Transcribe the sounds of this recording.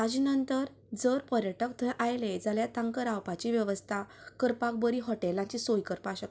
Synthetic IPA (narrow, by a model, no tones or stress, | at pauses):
ad͡ʑinənt̪əɾ | d͡zəɾpəɾjəʈəkt̪ʰəɛ̃ʔajled͡zaljat̪ãŋkəɾawpat͡ɕiʋjəʋəst̪ʰakəɾpak̚bəɾiɦɔʈelãɲt͡ɕisojkəɾpaɕək